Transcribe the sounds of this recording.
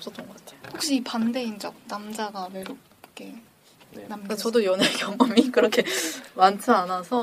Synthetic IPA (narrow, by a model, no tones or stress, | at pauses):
ʌps͈ʌt͈ʌnɡʌk͈ḁtʰejoɸuk̚ɕ͈iːpande̞ind͡ʑʌk̚namd͡ʑaɡameɾok | ɯ̥kʰe | nnamkat͡ɕʌdojʌnekjʌŋʌmikɯɾʌkʰe̞mant͡ɕʰɯanasʰʌ